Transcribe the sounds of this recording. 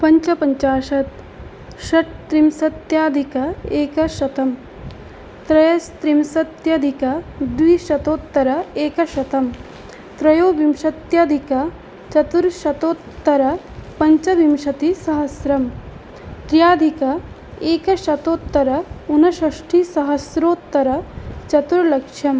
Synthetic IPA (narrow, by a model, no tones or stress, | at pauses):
pɐɲt͡ʃɐpɐɲt͡ʃaːʃɐt̪ | ʃɐʈ̚t̪ɾimsɐt̪jaːd̪ʱikɐeːkɐʃɐt̪ɐm | t̪ɾɐjɐst̪ɾimsɐt̪jɐd̪ʱikɐd̪ʋiʃɐt̪oːt̪ːɐɾɐeːkɐʃɐt̪ɐm | t̪ɾɐjoːbimʃɐt̪jɐd̪ʱikɐ | t͡ʃɐt̪uɾʃɐt̪oːt̪ːɐɾɐ | pɐɲt͡ʃɐʋimʃɐt̪isɐɦɐsɾɐm | t̪ɾjaːd̪ʱikɐ | eːkɐʃɐt̪oːt̪ːɐɾɐunɐʃɐʂʈʰisɐɦɐsɾoːt̪ːɐɾɐt͡ʃɐt̪uɾlɐkʂjɐm